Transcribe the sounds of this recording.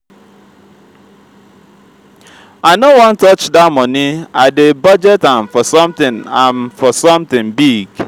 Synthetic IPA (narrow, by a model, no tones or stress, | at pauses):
aɪnowɔ̃n̩tɔt͡ʃdamɔniadebɔd͡ʒɛtamfɔsɔ̃mt̪ɪ̃nãnfɔsɔmt̪ɪ̃ŋbiɡ